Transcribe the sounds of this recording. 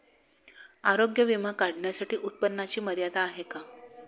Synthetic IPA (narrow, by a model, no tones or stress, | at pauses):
aɾoɡjəʋimakaɽɳjasaʈiːʔut̪̚pənːat͡ɕiːməd̪jat̪aːɦeka